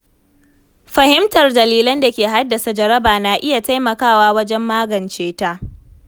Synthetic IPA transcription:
ɸɐ˨hɪ˦mtɐ˨rdɐ˨liː˦lɐ˦nda˨kʲeː˨ɦa˦dːa˨sa˨d͡ʒɐ˦ɾɐ˦baː˨naː˨ʔɪ˦ja˨ta˦jmɐ˨kaː˦˨waː˦wɐ˦d͡ʒɛ˦mːaː˦ɡɐ˨nt͡ʃeː˦ta˦ʔ

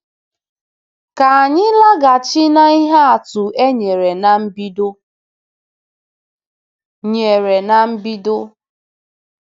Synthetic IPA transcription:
ka˨a˨ɲɪ˦la˦ɡa˨t͡ʃi˦na˦i˦ɦa˦a˨tu˨e˦ɲe˨ɾe˨na˨m̩˦bi˦do˦ | ɲe˨ɾe˨na˨m̩˦bi˦do˦

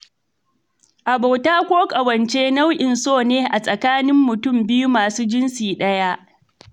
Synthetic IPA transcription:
ʔa˨bo˨wtaː˦kʷoː˦kʼɐ˨wɐ˨nt͡ʃeː˦na˦wʔɪ˨nsoː˦˨neː˦ʔa˨sʼɐ˨kaː˦nɪ˦mːʊ˨tʊ˦˨mbɪ˦ju˦maː˨suː˦d͡ʒɪ˦nsiː˨ɗɐ˦ja˦ʔ

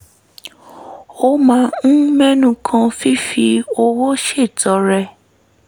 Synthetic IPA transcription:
o˦mã˧˦ñ̩˦mɛ̃˦nũ˧kʰã˧fi˦fi˧o˧wo˦ʃe˦˨tɔ˨˦ɾɛ˧

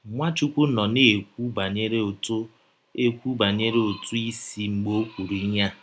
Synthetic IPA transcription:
ŋʷa˦t͡ʃu˦kʷu˦nɔ˨ne˦˨k̚ʷu˦ba˨ɲe˦ɾe˦o˨to˦ | e˦kʷu˦ba˨ɲe˦ɾe˦o˨tu˦i˦si˦ŋ͡m̩˨ɡ͡bo˦kʷu˨ɾi˦ɲa˦

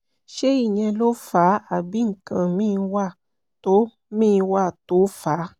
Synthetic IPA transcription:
ʃe˦i˦˨ɲɛ̃˧lo˦fa˨˦a˨bi˨˦ŋ̩˨kã˨mĩ˦˧wa˦˨ | to˨˦ | mĩ˦˧wa˦˨to˨˦fa˨˦

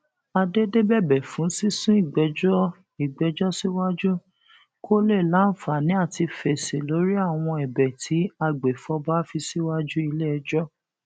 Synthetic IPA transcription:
a˧de˦de˦bɛ˦˨bɛ˨fũ˨˦si˦sũ˦i˦˨ɡ͡bɛ˨˦d͡ʒɔ˦ | i˨ɡ͡bɛ˨˦d͡ʒɔ˦si˦wa˦d͡ʒu˦ | kʰo˦le˦˨lã˨˦n̩˦fa˨nĩ˨˦a˦˨ti˧fɛ˨se˨lo˨˦ɾi˦a˦˨w̃ɔ̃˧ɛ˨bɛ˨tʰi˨˦a˧ɡ͡be˨fɔ˧ba˦fi˧si˦wa˦d͡ʒu˦i˧le˦ɛ˧d͡ʒɔ˦

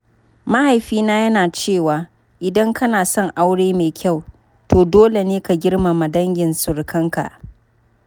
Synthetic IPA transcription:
ma˦ha˨jɸiː˦naː˦jɐ˦naː˨t͡ʃeː˦˨waː˨ | ʔɪ˨dɐ˦ŋkɐ˦naː˨sɔ˦˨ŋʔa˦wɽeː˦meː˨kʲʰa˦˨w | toː˨doː˦le˨neː˦ka˨ɡʲɪ˦rma˨ma˨dɐ˦ŋɡʲɪ˨nsʊ˨ɽkʰɐ˦ŋka̰˨ʔ

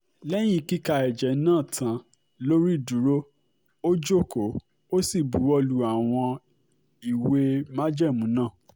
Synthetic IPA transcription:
lɛ˦j̃ĩ˦ki˦ka˧ɛ˨d͡ʒɛ˨˦nãː˦˨tʰã˧ | lo˦ɾi˦˨du˨˦ɾo˦ | o˦d͡ʒo˦˨ko˨˦ | o˦si˦˨bu˨˦ɔ˧lu˨˦a˨w̃ɔ̃˧ | i˨we˧mã˦d͡ʒɛ˦˨mũ˨˦nãː˦˨

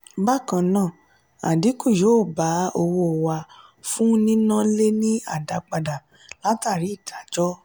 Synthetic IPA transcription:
ba˦˨kã˧nãː˦˨ | a̰˨di˨˦ku˦˨jo˨˦˨ba˨˦o˧wo˧˨wa˧ | fũ˦nĩ˦nã˦le˦nĩ˦a̰˦˨da˨˧k͡pa˧da˨ | la˦ta˦˨ɾi˨˦i˦˨da˨˦d͡ʒɔ˦

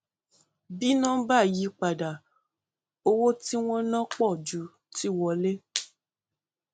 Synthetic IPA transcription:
bi˦nã˦ba˦˨ji˨˦k͡pa˨da˨ | o˧wo˦ti˦w̃ɔ̃˦nã˦k͡pɔ˦˨d͡ʒu˨˦ | ti˦˨wɔ˧le˦

